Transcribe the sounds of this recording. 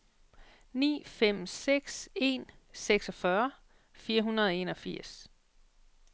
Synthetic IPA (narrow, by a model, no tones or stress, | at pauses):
nḭːfem̰seɡ̥se̝̰ːnseɡ̥sɒ̽fɶɐ | fiːɐɦunɐð̞ˠɒ̽e̝nɒ̽fiɐ̰s